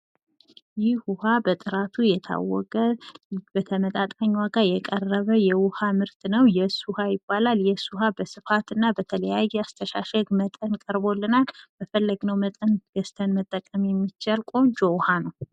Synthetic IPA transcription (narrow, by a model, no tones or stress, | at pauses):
jɪhwʊhabət̪ʼɨɾat̪ʰujɛt̪ʰa̰wːɔ̰kʼəb̥ət̪ʰəmət̪ʼat̪ʼaɲːwaɡajɛkʼərːəβəjɛwʊhamɨɾt̪ʰnəwjɛsuhajɪbːalaljɛsuɦabəsɨfat̪ɨnːabət̪ʰələjajːɛast̪ʰəʃa̰ʃɛɡmət̪ʼənkʼəɾbo̞lːɨnalb̥əfəlːəɡnəwmət̪ʼənɡ̥əst̪ʰənmət̪ʼːəkʼːəmjɛmːit͡ʃːalkʼo̞nd͡ʒowhanəw